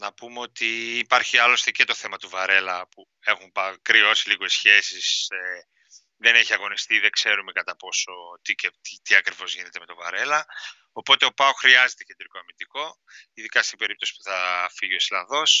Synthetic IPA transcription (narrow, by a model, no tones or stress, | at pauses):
nɐpumeo̞t̪iːpɐɾçiɐlo̞st̪ece̞t̪oθe̞mɐt̪uvɐɾe̞lɐpu | e̞xumpɐkɾio̞siliɣo̞isçe̞sise | ðe̞neçiɐɣo̞nist̪iðekse̞ɾume̞kɐt̪ɐpo̞so̞t̪icet̪it̪iɐkɾivo̞zʝinet̪e̞me̞t̪o̞vɐɾe̞lɐ | opo̞t̪e̞o̞pɐoxɾiɐzet̪ecend̪ɾiko̞ɐmind̪iko̞ | iðikɐst̪ibe̞ɾip̚t̪o̞si̥p̚u̥θɐfiʝio̞islɐnðo̞s